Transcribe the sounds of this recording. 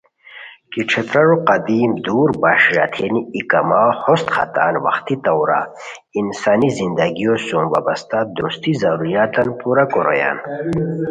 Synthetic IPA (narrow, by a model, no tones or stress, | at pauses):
kiʈ͡ʂʰet̪ɾɐɾuqɐd̪iːmd̪uːɾbaːʂjat̪ʰeniːkamahost̪xa̰t̪aːnwɐ̰xt̪it̪ɐwɾa̰ | insaːnizind̪aɡijosoːmwa̰bɐst̪ad̪ost̪izɐɾuɾjaːt̪ɐnpuɾakoɾo̰ja̰ːn